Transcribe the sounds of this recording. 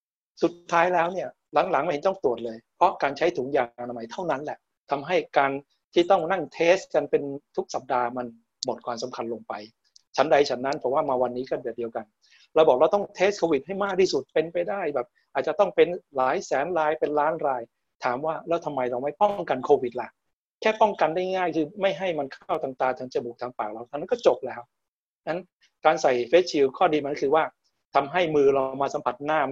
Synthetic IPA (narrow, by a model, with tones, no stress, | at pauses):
su˨˩t̪ʰːaː˦˥jlɛː˦˥wni˥˩ɐ | la˩˦ŋla˨˩˦ŋma˥˩jhe˨˦nt̪ɔ˥˩ŋt̪u˨˩ət̪̚lɤː˧jpʰɾɔ˦˥kaː˧nt͡ɕʰa˦˥jt̪ʰuː˩˦ŋjaː˨ŋta˧ma˧˦jt̪ʰa˥˩wna˦˥nlɛ˨˩ʔ | t̪ʰa˧mɦa˥˩jkaː˧n | t̪ʰiː˥˩t̪ɔ˥˩ŋna˥˩ŋt̪ʰeː˦˥ska˧npe˧nt̪ʰu˦˥k̚sa˨˩p̚daː˧ma˧n | mo˨˩t̪̚kwaː˧msa˩˦mkʰa˧nloː˧ŋpa˧j | t͡ɕʰa˦˥nda˧jt͡ɕʰa˦˥nːa˦˥npʰɔ˨˩˦waː˥˩maː˧wa˧nːiː˦˥kɔː˥˩dɯ˨˩ədi˧əwka˧n | ɾa˧wbɔː˨˩k̚ɾa˧wt̪ɔ˥˩ŋt̪ʰeː˦˥stkʰoː˧wi˨˩t̪̚ha˥˩jmaː˥˩k̚t̪ʰiː˥˩su˨˩t̪̚pe˧npa˧jda˥˩jbɛː˨˩p̚ʔaː˨˩t̪̚t͡ɕa˨˩t̪ɔ˥˩ŋpe˧nlaː˩˦jsɛː˩˦nɾaː˧jpe˧nlaː˦˥nɾaː˧j | t̪ʰaː˩˦mwaː˥˩lɛː˦˥wt̪ʰa˧mːa˧jɾa˧wma˥˩jpɔ˥˩ŋka˧nkʰoː˧wi˨˩t̪̚la˨˩ʔ | kʰɛː˥˩pɔ˥˩ŋka˧nda˥˩jŋaː˥˩jkʰɯː˧ma˥˩jɦa˥˩jma˧nkʰa˥˩wt̪aː˨˩ŋt̪aː˨˩ŋt͡ɕʰa˨˦nt͡ɕa˨˩buː˨˩k̚t̪ʰaː˧ŋpaː˨˩k̚ɾa˧wt̪a˧˩na˦˥nkɔː˥˩t͡ɕo˨˩p̚lɛː˦˥w | na˦˥n | kaː˧nsa˨˩jfeː˦˥t͡ɕʰi˧wkʰɔː˥˩diː˧ma˧˥kkʰɯː˧waː˥˩ | t̪ʰa˧mɦa˥˩jmɯː˧ɾa˧wmaː˧sa˨˦mpʰa˨˩t̪̚naː˥˩m